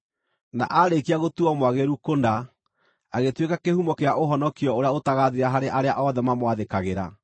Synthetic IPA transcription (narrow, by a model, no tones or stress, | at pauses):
na̰ʔaɾekiaɣotuɔmwaɣeɾukonda | aɣetwekakehumɔkeaʔoɦɔnɔkiɔoɾeaotaɣaðiɾaɦaɾeʔaɾeaʔɔðɛmamwaðekaɣeɾa̰